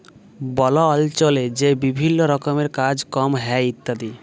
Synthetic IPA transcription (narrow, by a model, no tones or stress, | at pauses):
bɔloɔlt͡ɕoled͡ʑebibʱinːoɾɔkomeɾkad͡ʑkɔmɦɛit̪ːad̪i